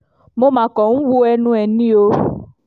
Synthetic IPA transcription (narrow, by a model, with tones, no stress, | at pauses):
mo˦mã˨kɔ˨ŋ̩̃˦wu˦ɛ˦nũ˦ɛ˨nĩ˦o˦